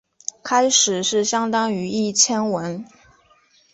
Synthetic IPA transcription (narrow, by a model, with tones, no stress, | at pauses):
kʰa˥ɪʂɻ̩˨˩ʂɻ̩˥˩ɕjɑ˥ŋt̪ɑ˥ŋy˧˥i˥˩t͡ɕʰjɛ˥nwə˧˥n